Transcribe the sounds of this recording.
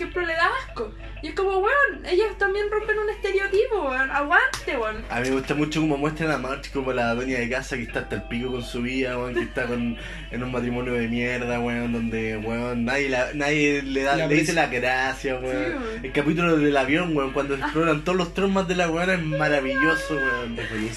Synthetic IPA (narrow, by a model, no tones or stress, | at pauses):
kepɾoleðako | iehkomoβweonejost̪ambjenrompenunest̪eɾjot̪ipoweonaɣwant̪ewena̰mimeɣust̪amut͡ʃokomomwe̞ht̪ɾalamaɾt͡ʃkomolaðenjaðekasakeht̪aːt̪aelpikoko̞nsuβiðaweoŋkkeht̪akon | enunmat̪ɾimo̞njoðemjeɾðaɣweond̪o̞nd̪eweonːaðjelanaðjeleðaleðiselaɣɾasjaweon | elkapit̪̬uloðelaβjo̞ŋweoŋkwand̪oseploɾant̪oolost̪ɾommːazðe̞laweonaezmaɾaβiʝosoweonefeli